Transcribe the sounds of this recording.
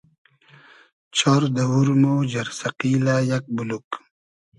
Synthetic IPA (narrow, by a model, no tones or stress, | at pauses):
t͡ɕʰɔɾd̪awuɾmod͡ʑɐɾsɐqiːlajak̚buluk